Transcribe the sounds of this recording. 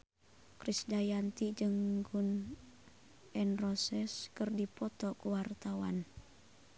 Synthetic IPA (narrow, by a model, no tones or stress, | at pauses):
kɾisdajant̪id͡ʒɨŋɡun | ɛnrɔsɛskɨrdipɔt̪ɔkuwart̪awa̰n